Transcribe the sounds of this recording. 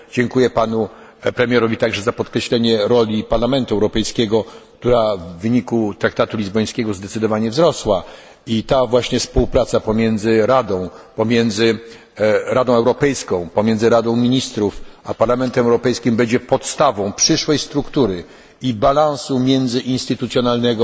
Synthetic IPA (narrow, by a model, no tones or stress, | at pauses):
d͡ʑɛŋkujɛpanu | pɾɛmʲjɛɾɔvʲit̪aɡʐɛzapɔt̪kɾɛɕlɛɲɛɾɔlʲipaɾlamɛnt̪uɛwɾɔpɛjskʲɛɡɔk̚t̪uɾavːɘɲikut̪ɾak̚t̪at̪ulʲizbɔj̃skʲɛɡɔzd̪ɛt̪sɘd̪ɔvaɲɛvzɾɔswa | it̪avwaɕɲɛspuwpɾat̪sapɔmʲjɛnd̪zɘɾad̪ɔ̃w̃pɔmʲjɛnd̪zɘ | ɾad̪ɔ̃w̃ɛwɾɔpɛjskɔ̃w̃pɔmʲjɛnd̪zɘɾad̪ɔ̃w̃mʲiɲist̪ɾufapaɾlamɛnt̪ɛmɛwɾɔpɛjskʲimbɛɲd͡ʑɛpɔt̪st̪avɔ̃w̃pʂɘʂwɛjst̪ɾukt̪uɾɘ | ibalãw̃sumʲjɛnd̪zɘʔinst̪ɘt̪ut̪sʲjɔnalnɛɡɔ